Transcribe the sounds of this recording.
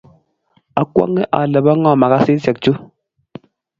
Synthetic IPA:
a˨kwa̰˦ŋːɛ˦ʔa̰˨lə˨ba˦ŋɔ˦˨ma˨ka˦si˦sɛ˨k̚t͡ʃu˦

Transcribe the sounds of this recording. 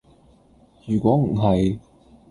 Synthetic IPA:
jyː˨˩kʷɔː˨˥ŋ̩˨˩ɦɐ˨j

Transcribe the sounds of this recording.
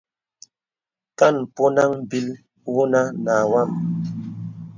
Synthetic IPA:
ka˦˨npo˦na˦ŋ̩˨bi˦l | wu˦na˦na˨wa˦˨m

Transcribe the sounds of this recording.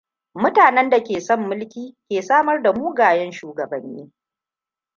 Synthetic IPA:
mʊ˦taː˨nɛ˦nda˨kʲeː˨sɔ˦mːʊ˦lkʲiː˦kʲeː˨saː˦mɐ˦rda˨muː˦ɡaː˨jɛ˦nʃuː˨ɡɐ˨bɐ˨˦nːḭː˦

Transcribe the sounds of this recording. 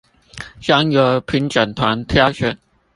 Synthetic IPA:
ɕa˥ŋjɔ˧˥pʰi˨˧˥nʈ͡ʂa˨˩nt̪ʰwa˧˥nt̪ʰja˥ɕɛ˧˥

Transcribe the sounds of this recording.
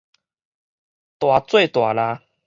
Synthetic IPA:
t̪wa˨t͡swe˥˨t̪wa˨˩la˧

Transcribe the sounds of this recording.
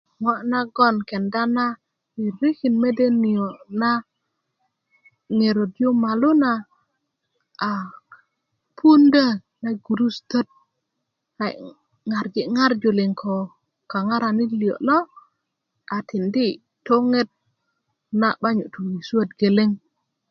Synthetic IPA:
ŋwa˦ʔna˦ɡɔ˦˨nke˨nda˦na˦ | i˨ɾi˦ki˨nme˦de˦ni˨o˨na˦ | ŋe˨ɾo˨djo˦ma˨lu˦na˨ | pʰu˦nda˦˨ | na˦ɡu˨ɾu˦st̪ə˦t̚ | a˨ | ŋa˨ɾɡi˨ŋa˦ɾd͡ʒo˨li˨ŋkʰo˨ | ka˨ŋa˦ɾa˨ni˦li˨o̰˨lɔ˦ | a˨ti˨ndi˦ | tːo˦ŋe˦t̚ | na̰˦ɓa˦ɲu˨tu˨wi˨sa˦˨t̚ɡe˨le˦ŋ

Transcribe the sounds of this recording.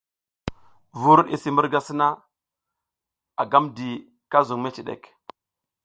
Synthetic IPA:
vu˦ɾḭ˦si˨mu˦ɾɡa˦si˦na˦ | a˨ɡa˦mdi˨ | ka˦zu˨ŋme˦ti˨ɗḛ˨k

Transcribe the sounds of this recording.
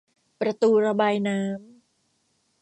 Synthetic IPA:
pɾa˧t̪uː˧ɾa˧baː˧jnaː˦˥m

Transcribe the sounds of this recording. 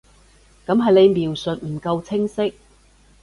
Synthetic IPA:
kɐ˨˥mɦɐ˨jne˨˧jmiː˨˩wsɵ˨t̚m̩˨˩kɐ˧wt͡sʰɪ˥ŋsɪ˥k̚

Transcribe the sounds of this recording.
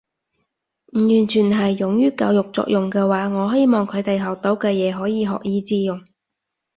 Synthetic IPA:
m̩˨˩jyː˨˩nt͡ʃʰyː˨˩nɦɐ˨˩jːʊ˨˥ŋjyː˥kɐ̰˧wjʊ˨k̚t͡sɔ̰ː˧k̚jʊ˨ŋkɛː˧waː˨˥ŋɔː˨˧ɦe˥jmɔː˨ŋkʰɵ˨˧ɥt̪e˨jɦɐ˨˩wt̪o˨˥wkɛː˧jɛː˨˧ɦɔː˨˥jiː˨˧ɦɔ̰ː˨k̚jiː˨˧t͡siː˧jʊ˨˩ŋ

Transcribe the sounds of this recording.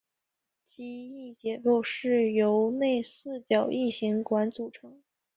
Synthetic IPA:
t͡ɕi˥i˥˩t͡ɕjɛ˨˩kɔ˥˧ʊʂɻ̩˥˩jo˧˥ʊne˥˧ɪsɹ̩˥˩t͡ɕjɑ˨˩ʊʔi˥˩ɕi˧˥ŋkwa˧˥nt͡su˨˩ʈ͡ʂʰɤ˧˥˦ŋ

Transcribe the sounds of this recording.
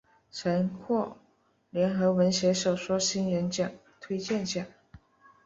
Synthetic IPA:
ʈ͡ʂʰə˧˥nkʰwɔ˥˩ | ljɛ˧˥nxɤ˧˥wə˧˥nɕjɛ˧˥ʂo˨˩ʊʂwɔ˥ɕi˥nɻə˧˥nt͡ɕjɑ˨˩ŋ | t̪ʰwe˥ɪt͡ɕjɛ˥˩nt͡ɕjɑ˨˩˦ŋ

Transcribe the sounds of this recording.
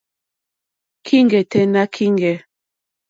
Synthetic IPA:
kʰi˦ŋɡɛ˨tɛ˨na˦kʰi˦ŋɡɛ˨

